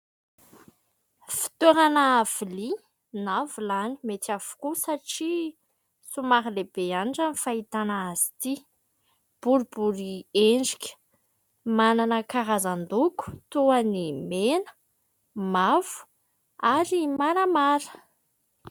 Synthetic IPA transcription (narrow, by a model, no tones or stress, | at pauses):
fi̥t̪eɾanaːv̥ili | navulanimet̪av̥u̥kusaʈ͡ʂi | sumaɦilebeanɖ͡ʐanifait̪anaazi̥t̪i | b̥uɾubuɾieɳɖ͡ʐikʲə̥ | mananəkaɾazand̪uku̥t̪uanimenə̥ | mav̥u̥ | aɾimaɾamaɾə̥